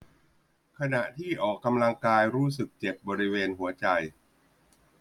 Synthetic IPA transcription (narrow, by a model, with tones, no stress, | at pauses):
kʰa˧na˨˩ʔt̪ʰiː˥˩ʔɔː˨˩kːa˧mla˧ŋkaː˧jɾuː˦˥s̬ɯ˨˩k̚t͡ɕe˨˩p̚bɔː˧ɾi˦˥weː˧nɦu˩˦ɐt͡ɕa˧j